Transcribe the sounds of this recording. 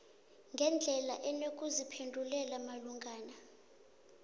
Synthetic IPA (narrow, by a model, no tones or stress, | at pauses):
ŋɡʱɛnd͡ɮʱɛla̰ʔɛnok̬ʼuzipʰendʱulɛlamaluŋɡʱaːna